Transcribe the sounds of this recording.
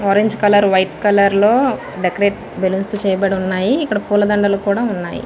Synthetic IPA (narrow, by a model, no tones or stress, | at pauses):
ɔːɾeɲd͡ʒkɐlɐɾʋɐjʈkɐlɐɾlo̞ː | ɖekɐɾeːʈ | belunst̪ut͡ʃɛːjɐbɐɽiunːaːjiikːɐɽɐpuːlɐd̪ɐɳɖɐlukuːɽaːunːa̰ːjḭ